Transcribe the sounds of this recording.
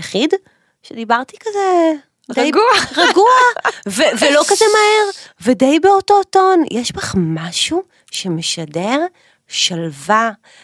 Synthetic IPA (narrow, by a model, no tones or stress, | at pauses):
jaχid | ʃedibaʁtikaze | djɡʁaɡuavevelo̞kazemaheʁvedejbeoto̞to̞njʔeʃbaχmaʃu | ʃemeʃadeʁ | ʃalva